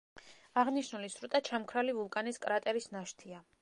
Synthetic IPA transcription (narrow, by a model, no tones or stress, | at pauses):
aʁniʃnulisɾut̪ʼat͡ʃʰamkʰɾalivulˠkʼaniskʼɾat̪ʼɛɾisnaʃt̪ʰia